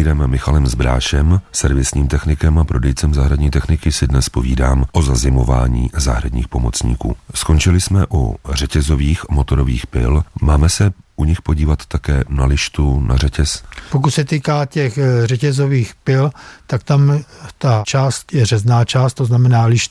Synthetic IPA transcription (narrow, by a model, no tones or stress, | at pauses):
iːɾɛmːɪxalɛmzbɾa̰ːʃɛmsɛɾvɪsɲiːmt̪ɛxnɪkɛmapɾʔo̞dɛjt͡sɛmzaɦɾadɲiːt̪ɛxnɪkɪsɪdnɛspo̞viːdaːmʔozazɪmo̞va̰ːɲḭːzaɦɾadɲḭːxpo̞mo̞t͡sɲḭːkṵːsko̞nt͡ʃɪlɪsmɛʔṵr̝ɛcɛzo̞viːxmo̞t̪o̞ɾo̞viːxpɪ̰lmaːmɛsɛʔuɲɪxpo̞ɟiːvat̪ːakɛːnalɪʃt̪unarɛcɛspok̬ucsɛt̪iːkaːcɛxrɛcɛzoviːxpɪlt̪ak̚t̪amt̪at͡ʃaːst̪jɛrɛznaːt͡ʃaːst̪t̪oznamɛnaːlɪʃ